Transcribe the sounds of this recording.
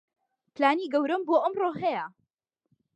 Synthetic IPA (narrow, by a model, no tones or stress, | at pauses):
plaːniːɡɐwɾɐmboːʔɐmroːɦɐjɐ